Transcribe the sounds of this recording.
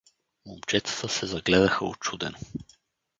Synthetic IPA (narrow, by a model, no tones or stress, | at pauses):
momt͡ʃɛt̪ə̥t̪əsɛzɐɡlɛd̪ɐxəot͡ʃud̪ɛ̰no